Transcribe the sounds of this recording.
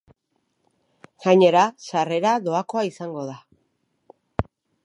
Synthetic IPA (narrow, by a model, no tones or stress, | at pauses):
ɣ̥aɲe̞ɾasare̞ɾaðo̞ako̞aisaŋɡo̞ða